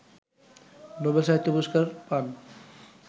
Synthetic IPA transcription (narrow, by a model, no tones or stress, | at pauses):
nobelʃaɦit̪ːopuʃkaɾpan